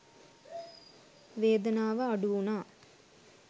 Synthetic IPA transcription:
ʋeːd̪ɐnaːʋəːɖuunaː

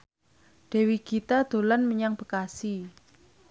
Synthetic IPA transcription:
ɖ̪̥ɛ̤wiɡ̥it̪ad̪̥o̤lanməɲaŋb̥ə̤kasi

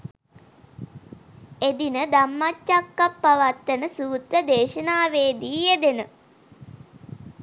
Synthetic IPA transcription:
ed̪inəd̪amːat͡ʃːakːapːaʋat̪ːənəsuːt̪ɾəd̪eːʃənaːʋeːd̪iːed̪enə

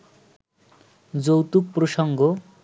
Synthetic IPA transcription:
d͡zowt̪uk̚pɾoʃɔŋɡo

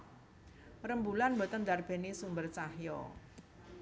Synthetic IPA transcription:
rəmbulanbot̪ənd̪arb̥e̤nisumbərt͡ʃahjɔ̰

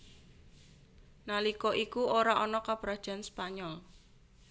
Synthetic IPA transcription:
nalikɔʔikuʔoɾaʔɔnɔkab̥ɾad̥ʒ̥a̤nspaɲɔl

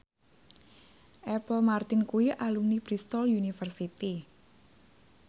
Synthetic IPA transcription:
ʔɛpəlmart̪ɪnkuiʔalumnib̥ɾist̪ɔljunifərsit̪i

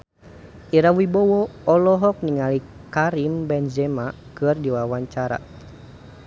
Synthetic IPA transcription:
ʔiɾawibɔwɔɔlɔɦɔk̚niŋali | kaɾimbɛnd͡ʒɛmakɨrdiwawaɲt͡ʃaɾa̰

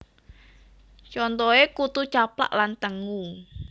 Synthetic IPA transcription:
t͡ʃɔnt̪ɔekut̪u̥t͡ʃapla̰ʔlant̪əŋu

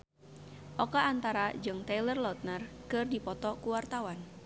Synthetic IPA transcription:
ʔɔkaant̪aɾad͡ʒɨŋt̪alərlɔt̪̚nərkɨrdipɔt̪ɔkuwart̪awan

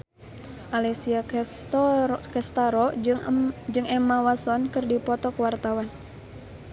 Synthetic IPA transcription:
ʔalisia | kɛst̪aɾɔ | d͡ʒɨŋɛmawasɔnkɨrdipɔt̪ɔkəwart̪awan

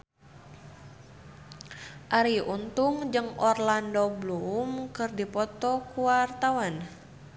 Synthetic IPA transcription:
ʔaɾiʔunt̪uŋd͡ʒɨŋɔrlandoblumkɨrdipɔt̪ɔkuwart̪awan

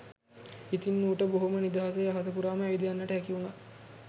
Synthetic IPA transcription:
it̪inːuːʈəboɦumənid̪aɦas̬ejaɦas̬əpuɾaːməæʋid̪ijanːəʈəɦækiuna

